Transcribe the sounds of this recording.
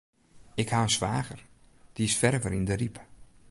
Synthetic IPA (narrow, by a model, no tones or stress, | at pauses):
ɪkhaənsʋaːɣər | d̥iɪsfɛrvəɾindərip